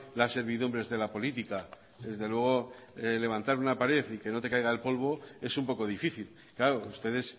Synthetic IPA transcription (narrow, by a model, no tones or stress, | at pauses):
lasːe̞ɾβ̞iðumbɾe̞zðe̞lapo̞lit̪ika | ðe̞zðe̞lwe̞ɣ̞o̞le̞β̞ant̪aɾunapaɾe̞θike̞no̞t̪e̞kajɣ̞aelpo̞lβ̞o̞e̞sumpo̞ko̞ðifiθil | klaɾoust̪e̞ð̞e̞s